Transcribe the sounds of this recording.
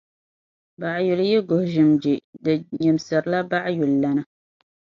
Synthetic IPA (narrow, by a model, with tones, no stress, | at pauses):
ba˨ʔju˨ljɛ˦ɡʊ˨hʊ˨ʒɪ˨md͡ʒɪ˨dɨ˨ɲɛ˨msɨ˨ɾɨ˨˦la˦ba˦ʔjʊ˨lːa˦nɨ˦